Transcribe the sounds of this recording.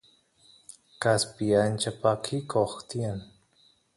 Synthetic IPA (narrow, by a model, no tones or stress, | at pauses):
kaspijant͡ʃapakʰikʰoxt̪ian